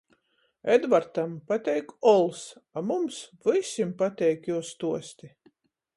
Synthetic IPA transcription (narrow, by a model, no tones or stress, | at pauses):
ɛd̪vaɾt̪ampat̪ʲɛjkɔlˠsamumsvɨsʲimpat̪ʲɛjkjuɔst̪uɔsʲt̪i